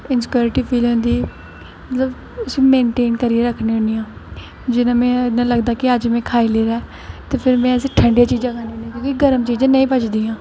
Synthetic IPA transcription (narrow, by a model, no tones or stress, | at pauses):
ɪnskjuːɾɪʈiːpʰiːlɦʊ̃nd̪iː | mət̪ləb | ʊsĩːmẽːɳʈeːnkəɾieɾəkʰneːɦõnijãː | d͡ʒɪnãːmɛ̃ːnãːləɡd̪aːkɪəd͡ʒmɛ̃ːkʰaːileːɾaː | t̪eːpʰɪɾmɛ̃ːəsʈʰəɳɖjaːt͡ʃiːd͡ʒãːkʰaːneõːniãːkjõːkiɡəɾəmt͡ʃiːd͡ʒãːnəĩːpət͡ʃd̪iːãː